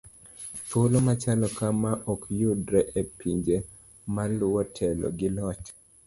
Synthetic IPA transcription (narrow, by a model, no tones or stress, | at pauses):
t̪olomat͡ʃalɔkamaʔɔkjudɾɛʔepiɲd͡ʒe | malʊɔtʰɛlɔ̰ɡɪlɔt͡ʃ